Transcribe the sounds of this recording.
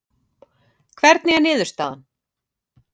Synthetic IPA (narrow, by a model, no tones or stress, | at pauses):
kʰvɛɾt̪̚nɪɛnɪːðʏɾ̥st̪aːðan